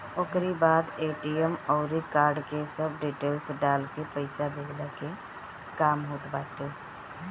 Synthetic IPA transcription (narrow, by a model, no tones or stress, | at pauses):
oːkɾibaːd̪eːʈiəmɔʊɾikaːɾɖkesəbɖiːʈeːlsɖaːlkepəɪsabed͡ʒlake | kaːmɦoːt̪baːʈe